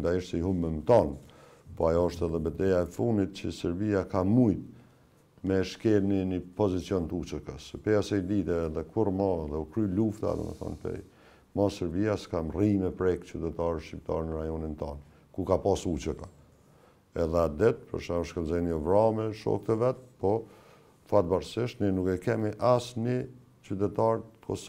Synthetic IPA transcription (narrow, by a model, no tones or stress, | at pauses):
nd̪aiʃt̪ɛiɦuməmt̪ɔn | pɔajɔɔʃt̪ɛðɛbəd̪ɛjaɛfund̪it̪̚cəsɛɾbiakamujt̪ | mɛʃkɛlninipɔzit͡sijɔnt̪əut͡ʃəkəspɛjasɛjd̪it̪ɛːðɛkʰurmaɛðɛukɾyluft̪a̰d̪ɔ̰mə̰θɔ̰npɛ̰j | masɛɾbiaskamrimɛpɾɛkt͡ɕyt̪ɛt̪aɾʃip̚t̪a̰ɾnəɾajɔnint̪ɔn | kukapasut͡ʃəka | ɛðɛad̪ɛt̪̚pə̰ɾʃaɔʃkɛlzɔjniɔvɾamɛʃɔ̰k̚t̪əvɛt̪̚pɔ | fat̪̚baɾsɪʃnɛnukɛkɛmiʔasni | t͡ʃyt̪ɛt̪aɾt̪kʰɔs